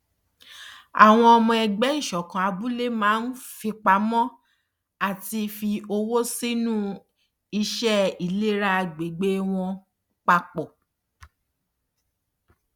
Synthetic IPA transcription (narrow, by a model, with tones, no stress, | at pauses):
a̰˨w̃ɔ̃˧ɔ˧mɔ̃˧ɛ˧ɡ͡bɛ˦i˦˨ʃɔ˨kã˨a˧bu˦le˦mãː˨˦n̩˦fi˧k͡pa˨˦mɔ̃˦ | a˦˨ti˧fi˧o˧wo˦si˦nũ˦ | i˧ʃɛ˦i˨le˦ɾa˧ɡ͡be˨ɡ͡be˦w̃ɔ̃˧ | k͡pa˧k͡pɔ˨